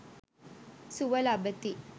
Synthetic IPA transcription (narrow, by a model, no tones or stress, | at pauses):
suʋɐlabət̪i